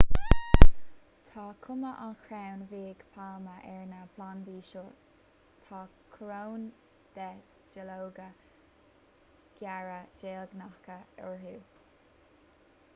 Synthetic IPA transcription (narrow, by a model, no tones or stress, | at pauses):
t̪ʰakʰʊməʔanxɾawnviːɡ̥pʰalməʔɛɹnapland̪iːʃo | t̪ʰɑkʰɾown | d̪̥ɛ | d͡ʒəlowɡə | ɡ̥jaɹəd͡ʒeːlɡnahkəɔɹɦuː